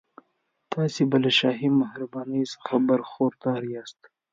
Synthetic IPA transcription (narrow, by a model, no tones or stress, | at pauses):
t̪ɑːsibalaʃɑːɦimahɾabɑːnisxabɐɾxoɾd̪ɑːɾjɑːst̪